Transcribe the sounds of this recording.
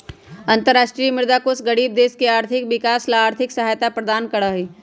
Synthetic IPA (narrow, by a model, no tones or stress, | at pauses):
ɐ̃nt̪əɾaːʃʈɾijəmɪɾd̪aːkosɡɐɽiːb̚d̪eːskeaːɾt̪ʰɪkʋɪkaːslaaːɾt̪ʰɪksɐɦaːjt̪apɾɐd̪aːnkɐɽaɦiː